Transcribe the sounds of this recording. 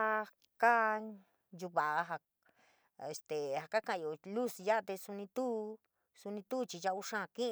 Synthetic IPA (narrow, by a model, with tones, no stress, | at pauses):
a˧ | ka˦ | ju˧βa˨ʔɦa˧ | e˨st̪e˨ha˧ka˦kã˧ã˨˧jo˨lu˦˨sja˦ʔt̪e˧su˧nĩ˧t̪u˦ | su˧nĩ˧t̪u˦˧t͡ʃi˧ʒa˧u˧ʂã˦˧˨kĩ˦ʔ